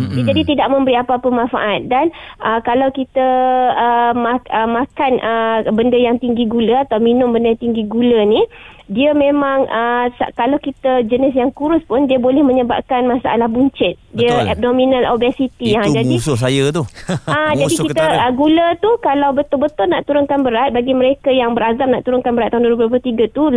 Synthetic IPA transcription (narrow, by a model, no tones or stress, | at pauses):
did͡ʒadit̪idaʔ̚mə̃mbəɾiapaːpəmãnfa̰ʔat̪̚danʔəkalawkit̪əəmaəmakanʔəbəndəjaŋt̪iŋɡiɡuləat̪awminʊmbəndəjat̪iŋɡiɡulənĩ | diəmẽmãŋʔəsa̰kalawkit̪əd͡ʒənɪsjaŋkuɾʊspʊndiəbolɛhmə̃ɲəba̰ʔ̚kanmasa̰ʔa̰lahbuɲt͡ʃɪt̪̚diəɛ̰p̚domĩnalobɛsit̪iad͡ʒadisʊsajət̪uad͡ʒadikit̪əəɡulət̪ukalawbət̪ʊlbət̪ʊlnaʔt̪uɾʊŋkanbəɾat̪̚baɡiməɾekajaŋbəɾazam̚na̰ʔt̪uɾʊŋkanbəɾat̪ːaɦʊnduɾupp̬ət̪iɡat̪u